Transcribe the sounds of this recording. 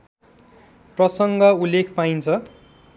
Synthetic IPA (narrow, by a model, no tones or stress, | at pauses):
prʌsʌŋɡʌulːekʰpaint͡sʰʌ